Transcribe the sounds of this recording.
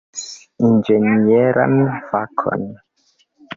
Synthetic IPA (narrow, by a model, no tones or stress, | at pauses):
ind͡ʒenieɾa̰mfakʰɔ̰n